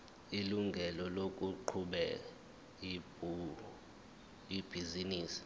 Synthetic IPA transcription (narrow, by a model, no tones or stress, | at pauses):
iluŋɡʱɛlɔlok̬ʼuǃʰuɓɛ | ib̥ʱiziniːsi̥